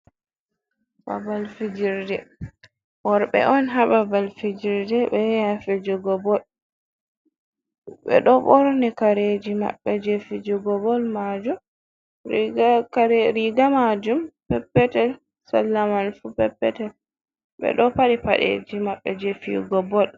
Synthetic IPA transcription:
ɓa̰valfid͡ʒiɾdɛ | wɔɾɓɛ̰ʔɔnɦaɓavalfid͡ʒiɾdɛɓɛjafɛd͡ʒɔɡɔbɔl | ɓɛ̰ɗɔɓɔɾnɛkaɾed͡ʒima̰ɓːɛd͡ʒefid͡ʒɔɡɔbɔlmad͡ʒum | kɾiɡamad͡ʒumpɛpːɛtɛl | salːamalfupɛpːɛtɛl | ɓɛ̰ɗɔpaɗipa̰ɗḛd͡ʒimaɓːɛ̰d͡ʒefḭɡɔbɔl

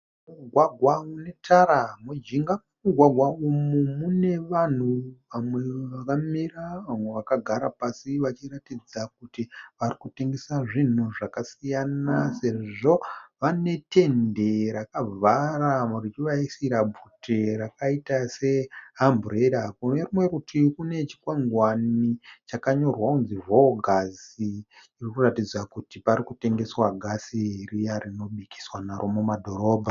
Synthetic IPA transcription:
uɡʱwaɡʱwaune̞tʰaɾamud͡ʒiŋɡa | muɡʱwaɡʱwaumumune̞ʋan̤uʋamwe̞ʋakamiraʋamwe̞ʋakaɡʱaɾapasiʋat͡ʃiratid͡zak̚utiʋarikute̞ŋɡe̞saʐin̤uʐakasijanase̞ʐo̞ʋane̞te̞nde̞ɾakab͡varamuriɾiʋaisiɾabʱutʰeɾakaitase̞ɦambureɗakunerimwe̞ɾutikune̞t͡ʃi̥kweŋɡwanit͡ʃakaɲo̞rwakunzivoɡʱasiː | rikuratid͡zakutipaɾikute̞ŋɡe̞swaɡʱasiɦirijarino̞ɓiki̥swanaɾʔomomadʱo̞ɾo̞ːbʱa

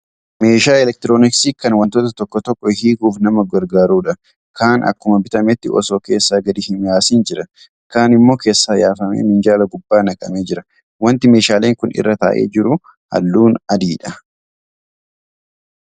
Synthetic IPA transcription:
me̞ːʃaːɛlɛk̚t̪ɪɾo̞ːnɪksiːkɐnwɐnt̪ot̪ɐt̪ɔkːɔt̪ɔkʼːɔhiːɡuːfnɐmɐɡɐɾɡaːɾuːᶑɐ | kaːnʔɐ̰kːʊmɐbɪt̪ʼɐmɛt̪ːɪʔɔ̰so̞ːke̞ːsːaːɡɐd̪ɪhɪnjaːsiːnd͡ʒɪɾɐ | kaːnɪmːo̞ːke̞ːsːaːjaːfɐmḛːmɪnd͡ʒaːlɐɡʊbːaːnɐkʼɐ̰meːd͡ʒɪɾɐ | wɐnt̪ɪmeːʃaːle̞ːŋkʊnɪ̰rːɐt̪a̰ːʔḛːd͡ʒɪɾʊ | hɐ̰lːuːnɐd̪iːᶑɐ

